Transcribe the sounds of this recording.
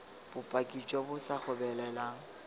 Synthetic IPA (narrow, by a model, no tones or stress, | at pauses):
b̥ʊpʼakʼit͡ʃʼɔbʊsak͡xʰʊbɛlɛlaŋ̩